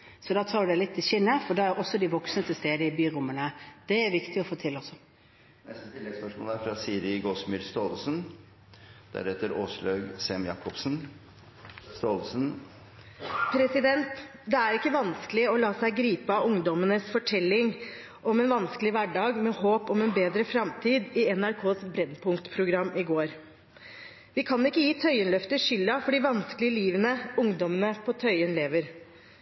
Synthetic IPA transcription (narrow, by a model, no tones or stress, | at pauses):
sɔd̪ɑːt̪ʰɑːɾd̪æɪlɪt̪ʰːɪlɕɪnːəfɔɖɑæɾʔɔsːɔd̪ɪʋɔksnət̪əst̪eːd̪əɪbyːɾʊmːənəd̪̥ɛæɾʋɪkt̪ɪɔfoːt̪ʰɪlːɔsːɔ | nɛst̪ət̪ʰɪlːɛɡspœʂmo̰ːləæɾfɾɑsiːɾɪɡoːsmɪɾst̪oːlsən | d̪̥æ̰ɾɛt̪ːəɾoːsɭøːɡsɛmjɑ̰ːkːɔpsn | st̪oːlsn | pʰɾɛsɪd̪ɛnt̪d̪ɛæɾɪkːəʋɑnskəlɪɔlɑːsæɪɡɾiːpəɑʊŋd̪ɔmənəsfɔʈʰɛlːɪŋ | ʔɔmɛnʋɑnskəlɪʋæɖɑːɡmɛhoːpɔmɛnbeːd̪ɾəfɾɑmt̪ʰiːd̪ɪɛnæɾkʰoːsbɾɛnːpʰʊŋkt̪pʰɾʊɡɾɑmːɪɡoːɾ | ʋɪkʰɑnɪkːəjiːt̪ʰœʏənlœft̪əʃʏlːɑfɔɖiːʋɑnskəlɪəliːʋənəʊŋd̪ɔmənəpʰɔt̪ʰœʏənleːʋəɾ